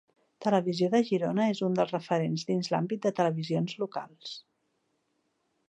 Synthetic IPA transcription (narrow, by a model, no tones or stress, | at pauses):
t̪ələβizioðəʒiɾonəezund̪əlˠrəfəɾenzðinzla̰mbit̪̚d̪ət̪ələβizionzluka̰lˠs